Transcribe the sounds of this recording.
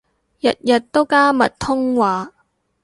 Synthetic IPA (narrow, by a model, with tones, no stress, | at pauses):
jɐ˨t̚jɐ˨t̚t̪o˥wkaː˥mɐ˨t̚t̪ʰʊ˥ŋwaː˨˧